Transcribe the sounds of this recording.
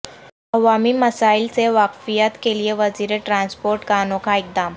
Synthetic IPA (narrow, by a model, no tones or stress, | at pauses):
əʋamiːməsailt͡seʋakfijat̪kelijeʋəd͡ziɾeʈɾanspoɾʈkanokaik̚d̪am